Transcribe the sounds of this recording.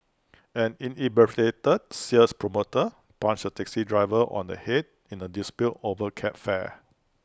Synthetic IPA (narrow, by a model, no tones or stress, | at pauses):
ɛ̃nĩnibɛfletəd̚siəspɹomotə | pãnt͡ʃdətɛksidɹaɪvəʔɔ̰̃ndə̰het̚ | ĩnədispitovəkʰɛpfɛ̰